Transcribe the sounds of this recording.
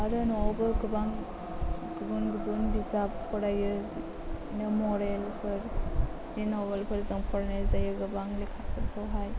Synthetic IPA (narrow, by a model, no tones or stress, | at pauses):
aɾɯnɔbɯɡɯbaŋ | ɡɯbunɡɯbunbizap̚kʰɔɾajɯ | inɯmɔɾelpʰɯɾ | dinɔbelpʰɯɾzɯŋpʰɔɾanazajɯɡɯbaŋlikʰapʰɯɾpʰɔɦaj